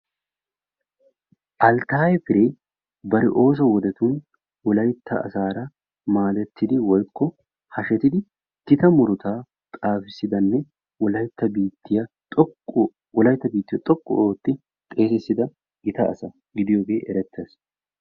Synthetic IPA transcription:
ʔɐlt̪aːjɛfɪɾeː | bɐɾɪʔo̞ːs̬ɐwɔd̪ɛt̪uːn | wɔlɐjt̪ːɐ̰ːsaːɾɐ | maːd̪ɛt̪ʰːɪd̪ɪwɔjkːɔ | hɐʃɛt̪ɪd̪ɪ | d̪ɪt̪ɐmʊɾʊt̪aː | t̪ʼaːfɪsːɪd̪ɐnːɛ | wɔlɐjt̪ːɐbiːt̪ːɪjɐt̪ʼɔkː | wɔlɐjt̪ːɐbiːt̪ːɪjɐt̪ʼɔkʼːɔ̰ʔoːt̪ːɪ | t̪ʼe̞ːsɛsːɪd̪ɐ | ɪt̪ɐ̰ːsɐ | ɡɪd̪ɪjoːɡe̞ːʔɛɾɛt̪ʰːes

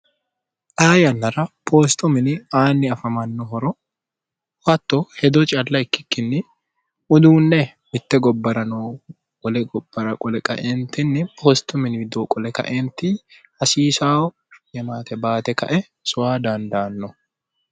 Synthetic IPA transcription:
ʔaːjɐnːɐɾɐpʰoːst̪ʊmɪnɪaːnːɪɐfɐmɐnːɔɦɔɾɔ | wɐt̪ːɔhɛd̪ɔt͡ʃʼɐlːɐɪkːɪ̥kːɪnːɪ | ʊd̪uːnːɛ | mɪt̪ːɛɡɔbːɐɾɐnoː | kʼɔlɛɡɔb̥ːɐɾɐkʼɔlɛkʼɐ̰ʔɛːnt̪ɪnːɪpʰoːst̪ʊmɪnɪd̪oːkʼɔlɛkɐ̰ʔeːnt̪ɪ | hɐsiːsaːwɔ | jɛmaːt̪ɛbaːt̪ɛkɐ̰ʔɛ | sʊwaːd̪ɐnd̪ɐːnːɔ

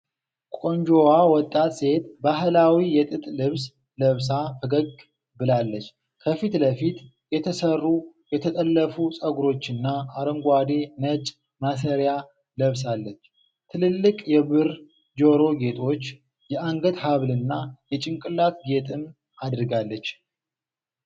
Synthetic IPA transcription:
kʷʼo̞ɲd͡ʒo̞wawɔt̪ʼːat̪ʼse̞t̪baɦlawijɛt̪ʼɨt̪ʼlɨβs | ləβs̬afʰəɡəɡ | bɨlalːət͡ʃː | kʰəfit̪ləfit̪ | jɛt̪ʰəsərːujɛt̪ʰət̪ʼəlːəfusʼəɡuɾo̞t͡ʃːɨnːaːɾəŋɡʷad̪e̞nət͡ʃʼ | masəɾja | ləβs̬alːət͡ʃː | t̪ʰɨlɨlːɨkʼjɛβɨɾ | d͡ʒo̞ɾo̞ɡe̞t̪ʼʰo̞t͡ʃː | jɛaŋɡət̪haβlɨnːajɛt͡ʃʼɪŋkʼɨlːat̪ɡe̞t̪ʼɨm | ad̪ɾɨɡalːət͡ʃː

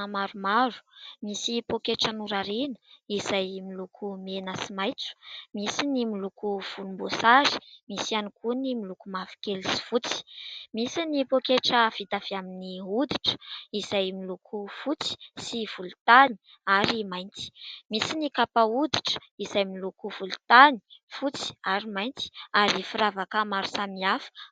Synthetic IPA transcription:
maɾumaɾu̥misipokeʈ͡ʂanuɾaɾenəiz̥ajmilukʰumenəsimajt͡su̥misinimilukuv̥ulumbosaɾi̥misianikunimilukumafi̥kelisi̥fut͡si̥misinipokeʈ͡ʂəv̥it̪av̥iaminiud̪iʈ͡ʂə̥iz̥ajmilukʰufut͡si̥siv̥ulut̪ani̥ | aɾimajnt͡s̪i̥misinikapaud̪i̥ʈ͡ʂə̥ | izajmilukuv̥ulut̪ani̥fut͡si̥aɾimajnt͡s̪i̥aɾifiɾavakəmaɾu̥samiafi̥

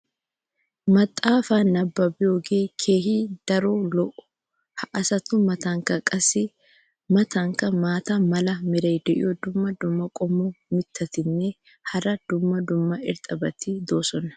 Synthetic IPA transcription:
mɐt̪ʼːaːfaːnɐbːɐbɪjoːɡeːkʰe̞ːɦiːd̪̥ɐɾoːlɔʔʊ̥ | hɐʔɐsɐt̪ʊmɐt̪ɐŋkɐkʼɐsɪ | mɐt̪ɐŋkɐmaːt̪ɐmɐlɐmɪɾɐjd̪ɛʔɪ̰jɔd̪ʊmːɐd̪ʊmːɐkʼɔmːɔmɪt̪ʰːɐt̪ɪnːɛ | hɐɾɐd̪̥ʊmːɐd̪ʊmːɐɪ̰ɾt̪ʼɐbɐt̪ɪd̪o̞ːsɔnɐ̥

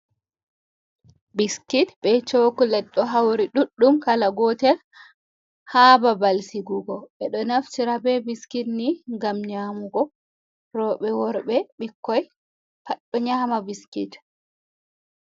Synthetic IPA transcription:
biskitbɛt͡ʃokulɛɗːɔɦawɾiɗuɗːumkalaɡɔːtɛɾ | haːbabalsiɡuɡɔɓɛɗɔnaftiɾabɛbiskitniŋɡamɲaːmuɡɔ | rɔɓɛwɔɾbɛɓikːɔj | paɗːɔɲaːmabiskḭt

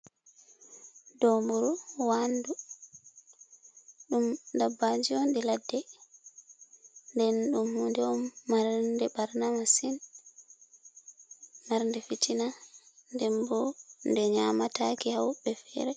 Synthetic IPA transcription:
dɔmbuɾuwandu | ɗumdabːad͡ʒiɔnɗiladːɛ | ndɛnɗumhundɛɔmːaɾndɛbaɾnamasin | maɾndɛfitʰinandɛmbɔndɛɲamatakihawbɛfɛ̰ɾɛ

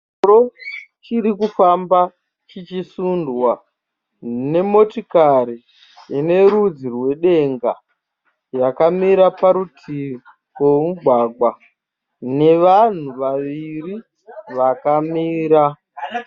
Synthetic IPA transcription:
ɾot͡ʃiɾikufamba | t͡ʃit͡ʃisundwa | ne̞mo̞tikaɾi | jene̞ɾud͡zirwe̞ɗe̞ŋɡa̰ | jakamiɾapaɾutʰi | wemuɡʱwaɡwa | ne̞ʋan̤uʋaʋiri | ʋakamiːɾa

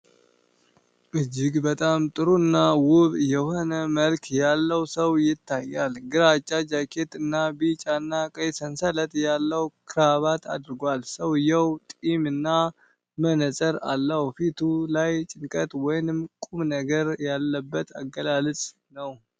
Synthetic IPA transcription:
ʔɨd͡ʒːɪɡbət̪ʼamt̪ʼɨɾuɨnːawʊβjɛho̞nəməlkʰjalːəwsəwjɪt̪ːajːalɡɨɾat͡ʃʼːad͡ʒakʰe̞t̪ɨnːabit͡ʃʼanːakʼəjsənsələt̪ʼjalːəwkʰɨɾaβat̪ʰa̰d̪ɨɾɡʷalsəwɨjɛwt̪ʼimɨnːa | mənəsʼəɾa̰lːəhfit̪ʰulajt͡ʃʼɪŋkʼət̪ʼwɔjnɨmkʼumnəɡəɾjalːəbːət̪ʰa̰ɡəlalɨt͡sʼ | nəw

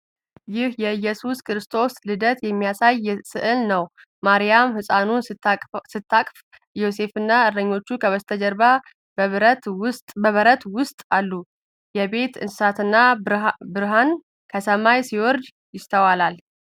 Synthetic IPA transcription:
jɪhjɛɨjːɛsuskʰɨɾɨst̪ʼʰo̞slɨd̪ət̪jɛmːijasajsɨʔɨlnəw | maɾijamhɨsʼanunʼsɨt̪ʰːakʼf | jo̞se̞fɨnːaɨɾəɲːo̞t͡ʃːukʰəβəst̪ʰəd͡ʒəɾba | t̪ʊst̪ʼbəβəɾət̪wʊst̪ʼalːu | jɛbe̞t̪ɨnsɨsat̪ɨnːabɨɾɦan | kʰəsəmajsiwɔɾd̪ | jɪst̪ʰəwalal

